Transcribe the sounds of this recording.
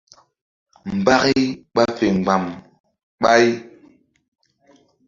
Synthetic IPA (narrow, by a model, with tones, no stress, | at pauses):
m̩˨ba˦ɣi˦ɓa˦fe˨ŋ˨ɡ͡ba˨m | ɓa˦j